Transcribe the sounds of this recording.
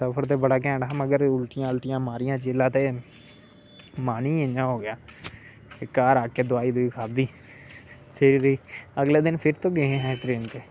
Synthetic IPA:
səpʰəɾt̪̬eːbəɽaːk̬ɛ̃ːɳːməɡəɾʊlt̪ɪjãːʊlt̪ɪjãːmaːɾɪjãːt͡ʃeːlãːt̪eː | maːniːɪ̃nd͡ʒãːɦoːɡɪjaː | kaːɾaːkeːd̪ʊaːiːd̪ʊiːkʰaːb̚d̪iː | p̪ʰɪɾɾiːəɡleːd̪ɪnpʰɪɾt̪õːɡeẽːɦɛ̃ːʈɾeːnt̪eː

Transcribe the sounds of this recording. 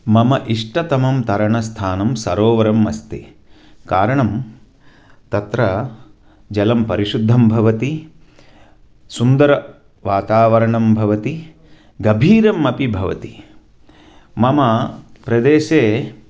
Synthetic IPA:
mɐmɐʔiʂʈɐt̪ɐmɐmt̪ɐɾɐɳɐst̪ʰaːnɐmsɐɾoːʋɐɾɐmːɐst̪i | kaːɾɐɳɐm | t̪ɐt̪ɾɐ | d͡ʒɐlɐmpɐɾiʃud̪ʱːɐmbʱɐʋɐt̪i | sund̪ɐɾɐ | ʋaːt̪aːʋɐɾɐɳɐmbʱɐʋɐt̪i | ɡɐbʱiːɾɐmɐpibʱɐʋɐ̰t̪i̥ | mɐmɐpɾɐd̪eːʃeː

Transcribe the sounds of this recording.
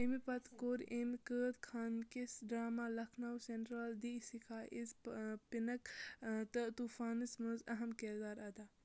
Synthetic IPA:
imipɐt̪koɾemkəːt̪kʰaːnkisɖɾaːmaːlɐkʰnɐwseɳʈɾald̪iːsikʰaːʔizpinɐkt̪ɐt̪uːfaːnɨsmuzɐɦɐmkeɾd̪aːɾɐd̪aː

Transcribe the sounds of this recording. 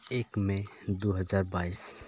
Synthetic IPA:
ekmed̪uɦəd͡ʒaɾbais

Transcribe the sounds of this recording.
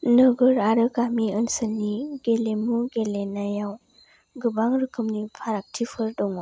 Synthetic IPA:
nɯɡɯɾaɾɯkamiənsəlniɡelemuɡelenajaw | ɡɯbaŋɾɯkʰɯmnipʰaɾak̚tʰipʰɯɾdɔŋɔ

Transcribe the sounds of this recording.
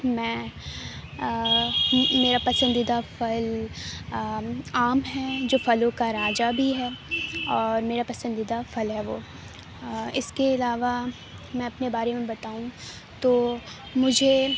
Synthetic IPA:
mɛ̃ː | meːɾapɐsə̃nd̪ɪd̪afɐl | aːmɦɛd͡ʒoːfɐlõkaɾaːd͡ʒabʱiɦɛːɔːɾmeːɾapɐsə̃nd̪ɪd̪afɐlɦɛʋoː | ɪskeɪlaːʋa | mɛ̃ɐpnebaːɾemẽbɐt̪aːũ | t̪oː | mʊd͡ʒʱe

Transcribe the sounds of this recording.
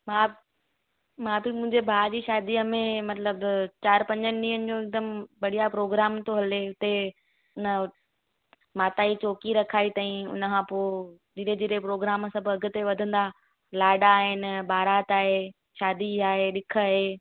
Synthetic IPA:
mãː | mãːbɪmʊ̃ɦɪ̃ɲd͡ʑebʱaːd͡ʑiːʃaːd̪iːəmẽmɐt̪ləbt͡ɕaːɾpɐ̃ɲd͡ʑənɪ̆ɗĩːɦənɪ̆d͡ʑoːɪk̚d̪əmbɐɽ̤ijapɾoːɡɾaːmt̪oɦɐleʊt̪e | ʊnə̆ | maːt̪aːit͡ɕoːkiɾɐkʰaːit̪ãĩʊ̰nəkʰãpoːd͡ʑiɾed͡ʑiːɾepɾoːɡɾaːmsɐbʱʊɐɡʊ̆t̪eʋɐd̪ʱə̃nd̪a | laːɖaːɦɪnɪ̆baːɾaːt̪aːɦe | ʃaːd̪iaːɦeɗɪkʰaɦeː

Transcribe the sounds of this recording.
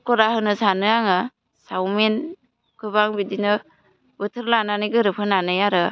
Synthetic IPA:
kɔɾahɯnɯsanɯaŋɯ | sawmen | kʰɯβaŋbidinɯ | bɯtʰɯɾlananiɡɯɾɯpʰɯnanɯjaɾɯ

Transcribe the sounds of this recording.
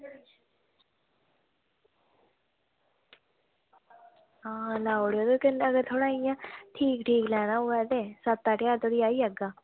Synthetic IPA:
ɦãːlaːoɽoːd̪okɪnəɡəɾt̪ʰoːɽaːijãːʈʰiːkʈʰiːklɛːnaːɦoːɛːd̪eːsət̪aːʈɪjaːɾt̪ʰoɽiːaːiːəɡaː

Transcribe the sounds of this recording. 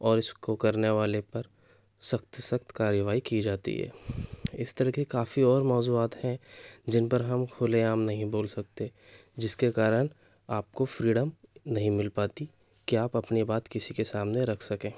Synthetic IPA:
ɔːɾɪskokɐɾneʋaːlepɐɾ | sɐkt̪sɐkt̪kaːɾjəʋaːikid͡ʒaːt̪ḭɦɛ̰ːɪst̪ɐɾəkekaːfiɔːɾmɔːzuaːt̪hɛ̃d͡ʒɪnpɐɾɦɐmkʰʊleaːmnɐɦĩboːlsɐk̚t̪ed͡ʒɪskekaːɾən | aːp̚kofɾiːɖəmnɐɦĩmɪlpaːt̪i | kiaːpɐpnibaːt̪kɪsikesaːmneɾɐkʰsɐkẽː

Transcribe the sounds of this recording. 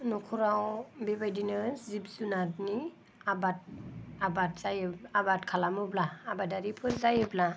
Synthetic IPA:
nukʰɔɾawbebajdinɯzip̚zunatni | abat̚abat̚z̥ajɯabat̚kʰalamɯblaːbadaɾipʰɯɾzajɯbla

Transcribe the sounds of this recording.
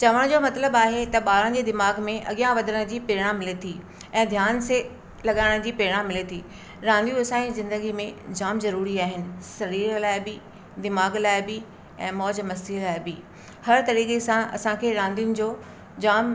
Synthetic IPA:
t͡ɕɐʋəɽ̃d͡ʑoːmɐt̪ləbaːɦet̪ɐɓaːɾə̃d͡ʑed̪ɪmaːɡmẽʔɐ̰ɠijãʋɐd̪ʱəɾəɽ̃d͡ʑiːpeːɽ̃ãmɪlet̪ʰi | ɛ̃ːd̪ʱjaːnse | lɐɠaːɪɽ̃d͡ʑiːpeːɽ̃ãmɪlet̪ʰiː | ɾãːnd̪ijũɐsãizɪ̃nd̪əɡimẽd͡ʑaːmzɐɾuːɾiaːɦɪnɪ̆sɐɾiːɾlaːɪbɪ | d̪ɪmaːɡlaːɪbɪ | ɛ̃ːmɔːd͡ʑmɐsilaːɪbɪ | hɐɾt̪ɐɾiːkesãɐ̰sãkʰeːɾãːnd̪ijʊnɪ̆d͡ʑoː | d͡ʑaːm

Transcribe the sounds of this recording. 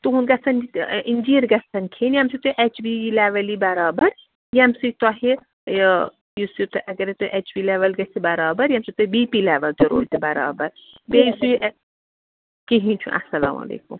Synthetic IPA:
t̪uɦunɡɐsɐnind͡ʒiːɾɡɐsɐnkʰenjɐmsit̪oʔet͡ʃbileːʋɐlibɐɾaːbɐɾ | jɐmsujt̪ɐɦi | j | jusit̪ɨʔɐɡɐɾet̪oʔet͡ʃbiːleʋɐlɡɐsibɐɾaːbɐɾjɐmsit̪oibipileːʋɐlt̪iɾo̰ːlt̪ibɐɾa̰ːbɐɾ | bejisuʔ | kiɦĩt͡ʃʰũʔɐ̰sɐla̰ːma̰ːlḛːkṵm

